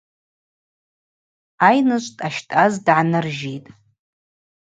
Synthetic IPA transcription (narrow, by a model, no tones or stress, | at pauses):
ajnɨʃʷʼtʼaʃtʼazdʕanɨrʒijtʼ